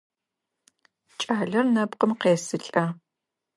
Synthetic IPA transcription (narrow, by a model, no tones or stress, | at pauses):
t͡ʃʼaːɮɐrnɐpqəmqeːsɨɬʼɐ